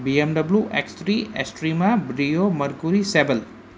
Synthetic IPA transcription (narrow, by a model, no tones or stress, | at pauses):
biemdɐbluʔekstɾiesʈɾimabɾijomɐɾɡuɾisebel